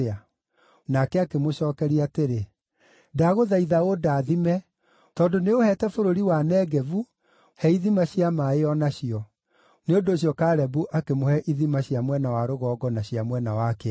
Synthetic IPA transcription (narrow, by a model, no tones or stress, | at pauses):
a | nakɛakemoɕɔːkɛɾiateɾe | daɣoðaiðaodaːðimɛ | tɔːndoneohɛtɛfoɾoɾiwanɛɡɛvu | hɛiðimaɕiamaeɔnaɕiɔ | neondoɕijɔkaːɾɛbuʔakemohɛʔiðimaɕiamwɛnawaɾoɣɔːɡɔnaɕiamwɛnawakɛ